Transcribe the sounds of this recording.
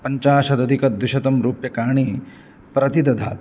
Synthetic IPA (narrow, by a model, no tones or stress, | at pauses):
pɐɲt͡ʃaːʃɐd̪ɐd̪ʱikɐd̪ʋwiʃɐt̪ɐmɾuːpjɐkaːɳ̃iː | pɾɐt̪id̪ɐd̪ʱa̰ːt̪